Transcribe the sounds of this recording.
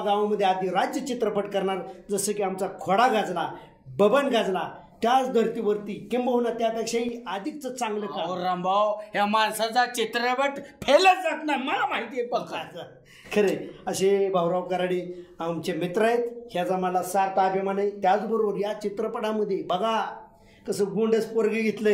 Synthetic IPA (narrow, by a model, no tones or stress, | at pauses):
ɡaʋaməd̪ʱːjead̪iɾad͡ʑjət͡ɕit̪ɾəpəʈkəɾɳaɾd͡zəsəkiamt͡sakʰoɽaɡad͡zla | bəbənɡad͡zla | t̪jat͡sd̪ʱəɾt̪iʋəɾt̪iːkĩmbaɦunat̪japakʂaɦiad̪ʱik̚t͡sət͡sãŋɡlək̪aɾambʱawɦjamalsad͡zat͡ɕit̪ɾəpəʈpʰeləɾd͡zat̪naɾməlamaɦit̪iepəkt̪at͡sə | kʰəɾeəɕebʱawɾaʋkəɾaɽiamt͡ɕemit̪ɾajet̪hjad͡zamalasaɾt̪apimanəjt̪jat͡sbəɾoʋəɾjat͡ɕit̪ɾəpəɽaməd̪ʱːjebəɡa | kəsəɡoɳɖəspoɾɡəɡʱet̪lə